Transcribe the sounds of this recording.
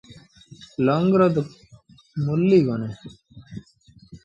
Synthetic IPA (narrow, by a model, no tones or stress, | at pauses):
lɔŋɡɾəd̪ | mulːiːɡoneː